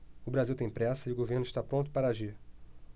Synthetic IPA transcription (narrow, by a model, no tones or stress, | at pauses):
ʊbɾaziwt̪ẽj̃pɾɛsɐɪʊɡoveɾnʊʃt̪apɾõt̪ʊ̥paɾɐaʒiɾ